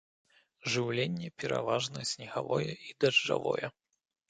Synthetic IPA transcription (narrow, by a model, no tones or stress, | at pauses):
ʐɨwlʲenʲːɛpʲɛɾa̰vaʐnɐsʲnʲɛɣavɔjɛid̪ɐʐd͡ʐa̰vɔ̰jɛ